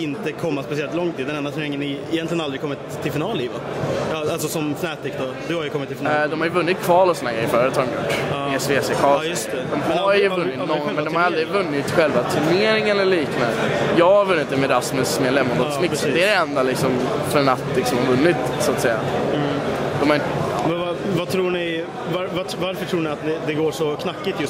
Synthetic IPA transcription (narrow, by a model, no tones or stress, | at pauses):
ɪnt̪əkʰɔmːat̪pas̬eːɾat̪lɔŋt̪ʰiːd̪ɛnɛnd̪at̪ʰnɛɾɪŋːənːɪɪjɛnt̪lɪɡənald̪ɾɪkʰɔmːɪt̪ʰːɪlfɪnɑːliːvaɑalsɔsɔmfnɛːt̪ɪkd̪ɔ | d̪ɵhaɾjɵkʰɔmɪt̪ːɪlfd̪ɔmhaɾjʏvɵnːɪt̪̚kʰv̥ɑːlɔsɔnæɡɾɛjːɪbœɾjadət̪ʰːɑːɾɔmjʊ̰ʈːɪɛsveɛsekʰɑːjst̪ɛd̪ɔmɛaɾjəvɵnːɪt̪nɔnmɛnd̪ɔmhaɾjald̪ɾɪvɵnːɪt̪ɧɛlvat̪ʰɵneːɾɪŋənɛliːknajɑːɡhaɾvɵnːɪt̪ːɪmɛd̪asmɛsmɛlɛmnand̪ɔt̪smɪksd̪ɛɛɾɛɛnd̪alɪksɔm | fœɾɛnːat̪ːlɪksɔmhaɾvɵnːɪt̪sʊat̪sɛjːa̰ | d̪ɔmhaɾɪ | vat̪ʰɾuːɳɪ | vaɾva | vaɾfœʈʰɾuːɳɪat̪̚d̪ɛd̪ɛɡoːʂɔkʰnakːɪt̪j